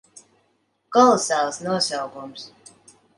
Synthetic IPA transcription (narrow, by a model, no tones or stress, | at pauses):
kɔlˠsælˠsnuɔsʲawɡums